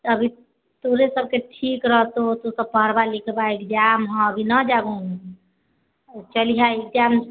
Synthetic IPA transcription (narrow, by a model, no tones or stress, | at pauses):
əbʱi | t̪oɾesəb̚keʈʰikɾəɦt̪ot̪osəb̚pəɦəɾbalikʰebaikd͡ʒamɦɔ̃əbʱinəd͡ʒaɡũ | t͡ʃəliɦaik̚d͡ʒam